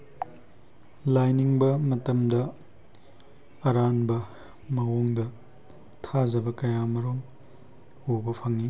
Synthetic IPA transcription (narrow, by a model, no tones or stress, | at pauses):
lajniŋbɐmɐtɐmdɐ | ɐɾanbɐ | mɐwoŋdɐ | tʰazɐbɐkɐjamɐɾom | obɐpʰɐŋi